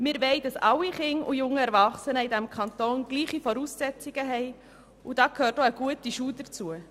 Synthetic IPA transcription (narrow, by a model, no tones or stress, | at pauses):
mɪːɾʋɛɪd̥ɑsɑlːiχɪŋṵjʊŋːəɛɾvɑχsənəɪdæmkʰχɑnt̪oːnɡ̥liːχifɔɾuːsːɛt͡siɡ̥əɦɛɪ | ud̥ɑːkʰøːɾtoəɡ̥uətiʃuːdəɾt͡suə